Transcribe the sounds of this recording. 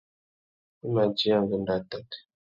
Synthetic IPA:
ə˦ma˨d͡ʒi˦a˦ŋɡə˨nda˨ta˦t

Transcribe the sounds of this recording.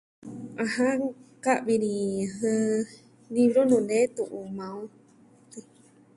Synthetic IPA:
ã˧ɦã˦ka˦ʔβi˧ɾĩ˧ɦɨ˧ | li˧βɾo˦nũ˧˨nẽ˦t̪u˧ʔu˧mã˧ũ˦ | t̪i˧

